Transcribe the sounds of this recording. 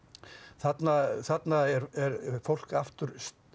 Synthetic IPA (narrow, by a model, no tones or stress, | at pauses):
θat̪naθat̪naɛɾɛɾfowl̥kaft̪ʏɾ̥s